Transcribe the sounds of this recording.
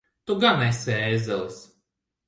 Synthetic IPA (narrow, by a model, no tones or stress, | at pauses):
t̪uɡanɛjsɛːzɛlˠɨs